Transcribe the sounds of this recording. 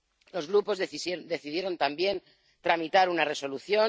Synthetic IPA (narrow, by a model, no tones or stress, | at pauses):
lo̞zɣɾupo̞zðd̪e̞θið̞je̞ɾo̞nt̪ambje̞n | t̪ɾamit̪aɾunare̞so̞luθjo̞